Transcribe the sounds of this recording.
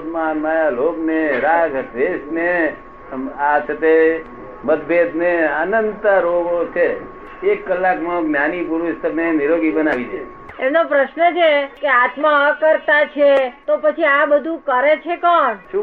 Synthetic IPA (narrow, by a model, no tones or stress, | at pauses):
manmajalobneɾaɡɾeʃne | asʰət̪e | məd̪bʱed̪neənənt̪aɾoɡot͡ʃʰe | ekːəlːakmãmjanipuɾuʃt̪əɾneniɾoɡibənaʋit͡ʃʰe | emnopɾəʃnət͡ʃʰekeat̪makəɾt̪at͡ʃʰet̪opət͡ʃʰiabəd̪ʱũkəɾet͡ʃʰekɔɳʃũ